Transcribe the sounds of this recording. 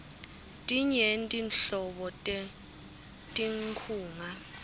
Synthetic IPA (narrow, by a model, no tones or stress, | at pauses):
tʼiɲentʼinɬɔɓɔtʼɛ | tʼiŋkʰuːŋa